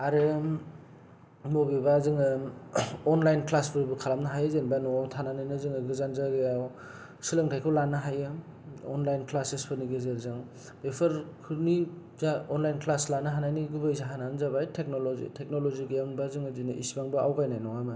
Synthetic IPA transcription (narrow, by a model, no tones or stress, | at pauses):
aɾɯ | mobibazɯŋɯ | ɔnlajnklaspʰɯɾbɯkʰalamnaɦajɯzenbanɔtʰananajnɯzɯŋɯɡɯzanzaɡɯjaw | silɯŋtʰajkʰɯwlanɯɦajɯ | ɔnlajnklasespʰɯniɡɯzeɾzɯŋ | bepʰɯɾkʰɯni | zaɔnlajnklaslanɯɦanajniɡubɯjzaɦananzabajtʰek̚nolozḭtʰek̚noloziɡɯjaŋbazɯŋɯzinɯʔisbaŋbɯawɡajnajnɔŋamɯ